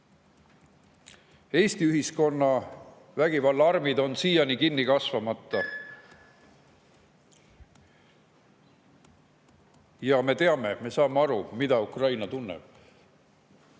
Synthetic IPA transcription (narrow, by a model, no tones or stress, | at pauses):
e̞ːst̪iyɦisko̞nːɑ | væɡ̥ivɑlːɑɑrmid̪o̞nsiːjɑnikinːikɑsvɑmɑt̪ːˑɑ | jɑme̞t̪e̞ɑme̞me̞sɑːmeɑɾumid̪̥ɑukrɑjnɑt̪unːɛ̰b̥